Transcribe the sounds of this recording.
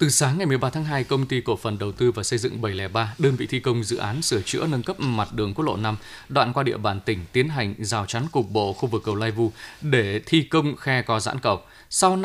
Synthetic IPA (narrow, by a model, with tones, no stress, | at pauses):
t̪ɨ˨˩saː˨˦ŋːa˨˩jmɨ˨˩əjɓaː˧t̪ʰaː˨˦ŋɦaː˧jkə˧wŋ͡mt̪i˧ko̰˧˩fə˨˩nɗə˨˩wt̪ɨ˧vaː˨˩sə˧jzɨ̰˧˨ŋɓə˧˩jlɛ˧˩ɓaː˧ɗəː˧nvḭ˧˨t̪ʰi˧kə˧wŋ͡mzɨ̰˧˨ʔaː˨˦nsɨ˧˩ət͡ɕɨ̰˧˥ənə˧nkə˦˥p̚ma˨˩t̚ɗɨ˨˩əŋkt̚lo̰˧˨na˧m | ɗwa̰ː˧˨nkwaː˧ɗḭ˧əɓaː˧˩nt̪ï˧˩ŋ̟t̪i˨˦ənɦa˨˩jŋ̟zaː˨˩wt͡ɕa˨˦nkʊ˨˩k͡p̚ɓo̰˧˨xu˧vɨ˨˩kːə˨˧˩wlaː˧jvu˧ɗe˧˩t̪ʰi˧kə˧wŋ͡mxɛ˧kɔ˨˦za̰ː˧˥nkə˨˧˩w̚ | sa˧w